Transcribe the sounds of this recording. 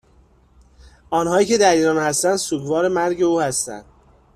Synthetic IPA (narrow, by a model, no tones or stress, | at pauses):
ʔɒːnhɒːjiːcʰe̞d̪æɾiːɾɒːnhæst̪ænd̪suːɡvɒːɾe̞mæɾɟe̞uːhæst̪æ̰nd̪̥̚